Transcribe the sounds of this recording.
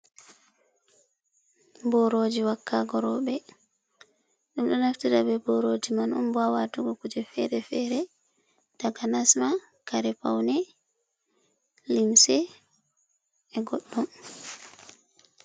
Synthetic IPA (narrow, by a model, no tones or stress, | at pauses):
bɔɾoːd͡ʒiwakːaɡɔɾɔɓɛ | ɗumɗɔnaftiɾabɛbɔɾoːd͡ʒimanṵmbawatuɡɔkud͡ʒɛfɛɾɛfɛːɾɛ | taɡanasma | kaɾɛpa̰wnɛ | limsɛ | ɛɡɔɗːɔm